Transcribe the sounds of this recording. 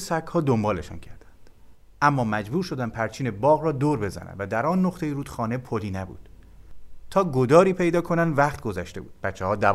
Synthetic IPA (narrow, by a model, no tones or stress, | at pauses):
sækʰhɒːd̪ombɒːle̞ʃɒ̰ːncʰæɾd̪̥ænd̪̥ | ʔæmːɒːmæd͡ʒbuːɾʃo̞d̪ænd̪̚pʰæɾt͡ʃʰiːne̞bɒːɣrɒːd̪oːɾbe̞zæ̰næ̰nvæd̪æɾɒːnːoχt̪ʰejiɾuːd̪̥xɒːnepʰoliːnæbṵːd̪̥ | t̪ʰɒːɡod̪ɒːɾiːpʰe̞jd̪ɒːkʰo̞nænd̪væχt̪̚ɡo̞zæʃt̪e̞buːd̪̥̚b̥æt̪t͡ʃʰːehɒːd̪æ